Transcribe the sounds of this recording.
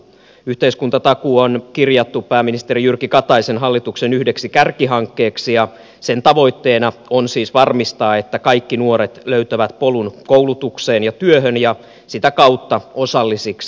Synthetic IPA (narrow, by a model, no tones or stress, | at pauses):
yht̪eiskunt̪ɑt̪ɑkuonkirjɑt̪ːupæːminist̪eɾijyrkikɑt̪ɑisenɦɑlːit̪uksenyhdeksikærkiɦɑŋkːe̞ːksijɑ | se̞nt̪ɑʋo̞jt̪ːe̞ːnɑonsiːsʋɑrmist̪ɑːe̞t̪ːækɑikːinuo̞ɾet̪løyt̪æʋæt̪polunkoulut̪ukseːnjɑt̪yøɦønjɑ | sit̪ækɑut̪ːɑo̞sɑlːisiks